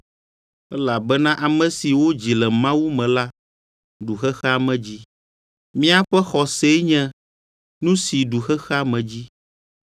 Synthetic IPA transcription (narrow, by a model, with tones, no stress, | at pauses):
ɛ˦la˨bɛ˦nã˦ʔa˨mɛ̃˨si˨wo˦d͡ʑi˨lɛ˨mã˦wu˦mɛ̃˨la˦ | ɖu˨xɛ˦xɛ˦a˨mɛ̃˨d͡ʑi˦ | mĩ˦a˦ɸɛ˦xɔ˨se˦ɲɛ̃˦ | nũ˦si˨ɖu˨xɛ˦xɛ˦a˦mɛ̃˨d͡ʑi˦